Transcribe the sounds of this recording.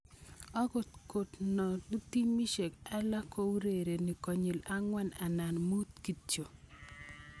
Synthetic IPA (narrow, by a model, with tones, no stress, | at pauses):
ɔ˦ɡo˨tko˨tnɔ˨lu˦ti˦mi˦ʃe˨ka˦la˦ko˦wɾe˨ɾe˨ni˨kɔ˨ɲi˨la˦ŋwɛ˦na˨na˨nmu˦t̪ki˨t͡ʃo˨